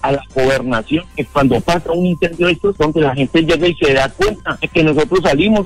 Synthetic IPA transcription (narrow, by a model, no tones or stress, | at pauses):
alaɡo̞βe̞ɾnasjo̞nkekwand̪o̞pasauninse̞nd̪joesod̪o̞nd̪e̞lahe̞nt̪e̞d͡ʒe̞ɣaise̞ðakwe̞nt̪aeke̞no̞s̬o̞t̪ɾo̞s̬ːalimo